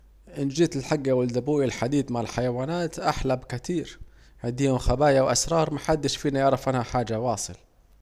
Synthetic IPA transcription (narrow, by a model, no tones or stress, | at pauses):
ʔɪnd͡ʒiːt̪ɪlħaɡːawɪld̪abuːʔɪlħad̪iːd̪maʕɪlħajawaːnaːt̪ʔaħlabkɪt̪iːɾ | ʕɪnd̪iːhʊmxabaːjawʔa̰sɾˤɑːɾˤmaħad̪ːɪʃfiːnajɑʕɾˤɑfʔanhaħaːd͡ʒawɑːsˤɨ̰l